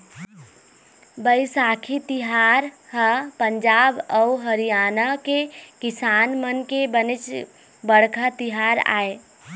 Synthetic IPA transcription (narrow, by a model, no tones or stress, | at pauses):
bəɪsaːkʰit̪iɦaɾɦəpəɲd͡ʒaːbəuɦəɾijaːnəkekisaːnmənkebənɪt͡ʃ | bəɽ̤kʰət̪iɦaɾa̰ːe